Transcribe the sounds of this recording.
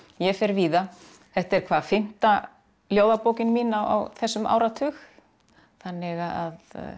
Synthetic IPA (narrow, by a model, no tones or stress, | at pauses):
jɛfɛɾviːða | θɛht̪ɛɾ̥kʰvaːðfɪm̥t̪a | ljoːwðapoːwcɪnmiːnaa̰wθɛsːʏmʔa̰ːwɾat̪ʰʏx | θanːɪɣaað